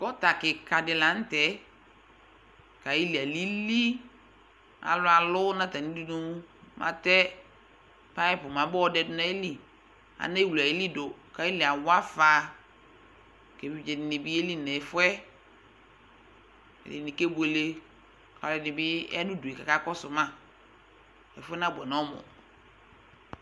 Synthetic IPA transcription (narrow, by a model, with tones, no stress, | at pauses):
kɔ˦ta˨kɪ˨ka˨dɪ˨la˨˦n̩˦tɛ˨˦ | ka˨ji˦li˨a˨li˦li˦ | a̰˨lʊ˨˦a˨lʊ˦nã˦ta˨ni˦di˦nʊ˦mʔa̰˨tɛ˦ | pa˦ɛ˦pʊ˨mã˨˦bɔ˦ɔ˦dɛ˦dʊ˦na˦e˦li˨ | a̰˨na˦i˦wu˨la˨i˨˦li˦do˨ka˦i˦lɪ˨a˨wa˦faː˨ | ke˨fi˨d͡ʒɛ˨nɪ˨nɪ˨bi˦e˦li˦˨nɛ˨fʊ˦ɛ˦ | ɛ̰˨lɪ˨nĩ˨ke˦bʊ˨e˨le˦ | ka˨lɪ˨nɪ̃˨bɪ̰˦a˦dʊ˦du˨e˨ka˨ka˦kɔ˦sʊ˨mã˦ | ɛ̰˨fʊ˦ɛ˦nã˦˨bʷɛ˨nɔ˦mʊ̰̃˨